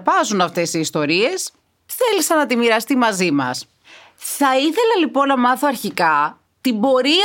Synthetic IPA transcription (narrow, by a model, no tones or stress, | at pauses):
pɐzunɐft̪e̞siːst̪o̞ɾie̞s | θe̞lisɐnɐt̪imiɾɐst̪imɐzimɐ̰s | θɐiθe̞lɐlipo̞nːɐmɐθo̞ɐɾçikɐ | t̪ibo̞ɾi